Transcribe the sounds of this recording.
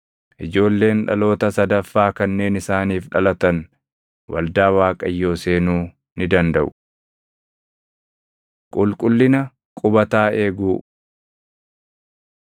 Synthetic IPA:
ʔɪd͡ʒo̞ːlːe̞ːnᶑɐ̰lo̞ːt̪ɐsɐd̪ɐfːaːkɐnːe̞ːnɪsaːniːfᶑɐlɐt̪ɐn | wɐ̰ld̪aːwaːkʼɐjːo̞ːse̞ːnuː | nɪd̪ɐnd̪ɐʔʊ | kʼʊlkʼʊlːɪnɐ | kʼʊbɐt̪aːe̞ːɡuː

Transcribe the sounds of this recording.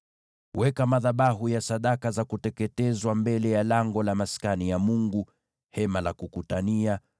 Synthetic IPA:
wɛkamaðaɓaɦujasaɗakazakutɛkɛtɛzwambɛlɛjalaŋɡɔlamaskanijamuŋɡu | hɛmalakukutania

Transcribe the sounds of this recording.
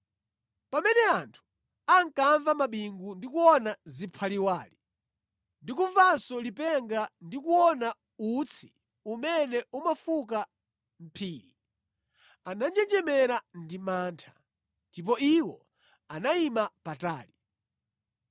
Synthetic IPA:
pamɛnɛantʰu̥ | aŋ̩kaɱvamaɓiŋɡundikuwɔnazipʰaliwaːli | ndikuɱvansɔlipɛŋɡandikuwɔna | ut͡sʰi̥ | umɛnɛumafuka | m̩pʰiːɾi | anand͡ʒɛd͡ʒɛmɛɾandimaːntʰḁ | ndip̬ɔiwɔ̰ | anaimapataːli

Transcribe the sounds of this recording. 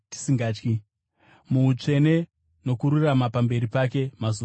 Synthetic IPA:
ti̥siŋɡaːt͡ʃki | muut͡ʂe̞ne̞ | no̞kuɾuramapambe̞ɾipake̞mazu

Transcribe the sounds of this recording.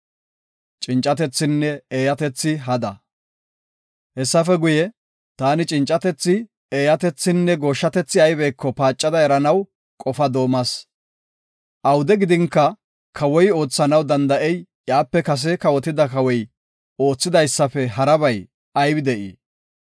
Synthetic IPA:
t͡ʃʼɪnt͡ʃʼɐt̪ɛt͡sːɪnːɛeːjɐt̪ɛt͡sːɪɦɐd̪ɐ | hɛsːɐfɛɡʊjɛ | t̪aːnɪt͡ʃʼɪnt͡ʃʼːɐt̪ɛt͡sːɪ | eːjɐt̪ɛt͡sːɪnːɛɡo̞ːʃːɐt̪ɛt͡sːɪɐjbɛjkːɔpaːt͡ʃʼːɐd̪ɐɛɾɐnɐw | kʼɔfɐd̪o̞ːmɐs | ʔɐwd̪ɛɡɪd̪ɪŋkːɐ | kʰɐwɔjo̞ːt͡sːɐnɐwd̪ɐnd̪ɐʔɛj | jaːpːɛkɐs̬ɛkɐwɔt̪ɪd̪ɐkɐwɔj | o̞ːt͡sːɪd̪ɐjsːɐfɛɦɐɾɐβɐj | ɐjbɪd̪ɛʔḭː

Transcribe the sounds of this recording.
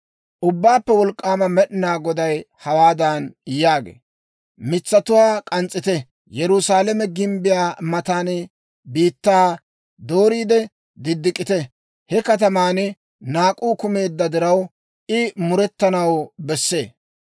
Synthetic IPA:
ʔʊbːaːpːɛwɔlkʼːaːmɐmɛɗɪnaːɡɔd̪ɐjhɐwaːd̪aːnjaːɡḛː | mɪt͡sːɐt̪ʊwaːkʼɐnt͡sʼːɪt̪ɛ | jɛɾʊsaːlɛmɛɡɪmbɪjaːmɐt̪aːn | biːt̪ːaː | d̪o̞ːɾiːd̪ɛ | d̪ɪd̪ːɪkʼːɪt̪ɛ | hɛkɐt̪̬ɐmaːnɪ | naːkʼuːkʊme̞ːd̪ːɐd̪ɪɾɐw | ʔɪmʊɾɛt̪ːɐnɐwbɛsːe̞ː

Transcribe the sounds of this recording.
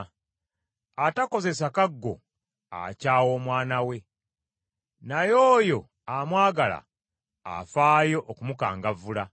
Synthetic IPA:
atako̞ze̞sakaɡːo̞̰ | a̰caːwo̞ːmwaːnawe̞ | najoːjo̞ | amwaːɡala̰ː | faːjo̞ʔːkumuka̰ːŋɡavula

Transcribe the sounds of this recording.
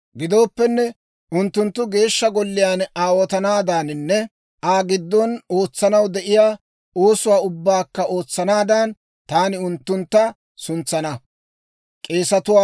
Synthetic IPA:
ɡɪd̪o̞ːpːɛnːɛ | ʔʊnt̪ːʊnt̪ːʊɡe̞ːʃːɐɡɔlːɪjaːnaːwɔt̪ɐnaːd̪aːnɪnːɛ | ʔaːɡɪd̪ːɔno̞ːt͡sːɐnɐwd̪ɛʔɪjaː | o̞ːsʊwaːʊbːaːkːɐo̞ːt͡sːɐnaːd̪aːn | t̪aːnɪʊnt̪ːʊnt̪ːɐ | sʊnt͡sːɐnɐ | kʼe̞ːsɐt̪ʊwaː

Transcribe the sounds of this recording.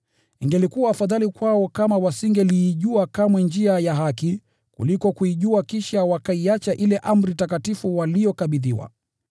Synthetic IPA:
niŋɡɛlikuwaːfaðalikwaɔkamawasiŋɡɛliːʄuakamwɛnd͡ʒiajaɦaki | kṵlikɔkuiʄuakiʃawakaiat͡ʃaʔilɛʔam̩ɾitakatifuwalijɔkaɓiðḭwa̰

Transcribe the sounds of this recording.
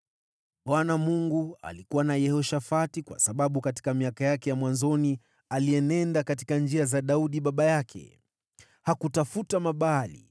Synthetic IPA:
ɓwanamuŋɡua̰likuwanajɛhɔʃafatikwa̰saɓaɓukati̥kamiakajakɛjamwanzɔni | aliɛnɛndakat̬i̥kand͡ʒiazaɗauɗiɓaɓajakʰɛ̰ | hakutafutamaɓalḭ

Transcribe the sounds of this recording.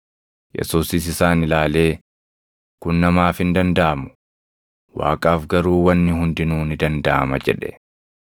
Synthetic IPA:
jɛ̰suːsɪs̬ɪsaːnɪlaːle̞ː | kʊnːɐmaːfhɪnd̪ɐnd̪ɐʔɐmʊ̥ | wa̰ːkʼaːfɡɐɾuːwɐnːɪhʊnd̪ɪnuːnɪd̪ɐnd̪ɐʔɐ̰mɐ̰d͡ʒɛ̰ᶑɛ̰

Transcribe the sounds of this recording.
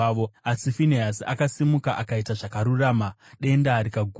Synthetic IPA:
ʋoasifiniɦasia̰kasimukaʔakaitaʐakaɾuraːmaɗe̞ndaɾikaɡʱ

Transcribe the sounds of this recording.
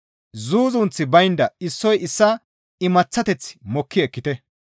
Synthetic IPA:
zuːzʊnt͡sːɪbɐjnd̪ɐɪsːɔjɪsːɐ | ɪmɐt͡sːɐt̪ɛt͡sːɪ̥mɔkʰːɪɛkːɪt̪ɛ

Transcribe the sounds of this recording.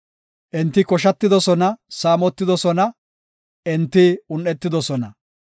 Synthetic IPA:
ʔɪnt̪ːɪkɔʃ̬ɐt̪ːɪd̪ɔsɔnɐsaːmɔt̪ːɪd̪ɔsɔnɐ | ʔɛnt̪ːɪʊnːɛt̪ːɪd̪ɔsɔnɐ

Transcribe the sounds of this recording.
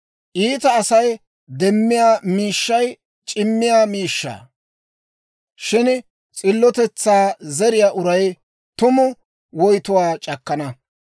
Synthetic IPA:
ʔiːt̪ɐːsɐj | d̪ɛmːɪjaːmiːʃːɐj | t͡ʃʼɪmːɪjaːmiːʃːa̰ː | ʃɪn | t͡sʼɪlːɔt̪ɛt͡sːaːzɛɾɪjaːʔʊɾɐj | t̪ʊmʊ | wɔjt̪ʊwaːt͡ʃʼɐkːɐnɐ

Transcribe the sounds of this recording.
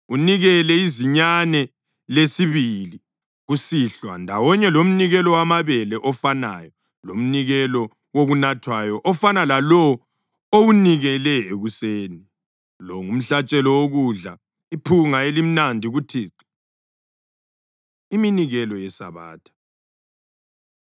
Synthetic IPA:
uniɣɛlɛiziɲanɛ | lesiβili | ɣusiɬwandʱawɔɲɛlom̩niɣɛlɔwamaβɛlɛʔɔfana̰jɔ | lom̩niɣɛlɔ | woɣunatʰwajɔʔɔfanalalɔ | owuniɣɛlɛeɣuseːni | lɔŋum̩ɬat͡ʃʼɛlɔwoɣuɮa | ipʰuŋaelim̩nandʱiɣutʰiːǀi | iminiɣɛlɔjɛsa̰βa̰ːtʰḁ

